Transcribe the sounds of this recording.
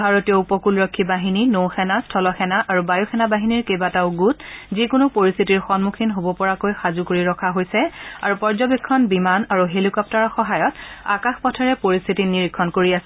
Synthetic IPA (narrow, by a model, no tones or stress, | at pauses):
bʱaɹotijɔupɔkulɹɔkʰːibaɦininowxɛnastʰɔlɔxɛnaʔaɹubajoxɛnabaɦiniɹkejbataʊɡutzikʊnʊpoɹist̪ʰitiɹxɔnmukʰinɦobɔpɔɹakojxazukoɹiɹɔkʰaɦojsɛaɹupɔɹzɔbekʰːɔnbimanaɹuɦelikɔp̚taɹɔxɔɦajɔta̰kaxpɔtʰaɹɛpoɹist̪ʰitiniɹikʰːɔnkoɹiasɛ